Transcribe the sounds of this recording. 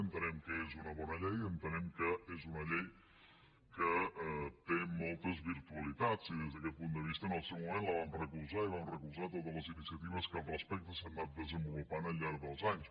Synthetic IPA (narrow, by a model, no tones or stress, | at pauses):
ənt̪ənɛmkəezunəβɔnəʎɛjənt̪ənɛmkəezunəʎej | kət̪emɔlˠt̪əzβiɾt̪uəlit̪at͡siðezðəkɛt̪̚pund̪əβist̪əːnəlˠsɛwmumẽnləβ̞amrəkuzaiβ̞amrəkuzat̪ot̪əzləzinisiət̪iβ̞əskəlˠrəspɛk̚t̪əsannat̪̚d̪əzəmbulupanəlʎːaɾðəlˠzaɲs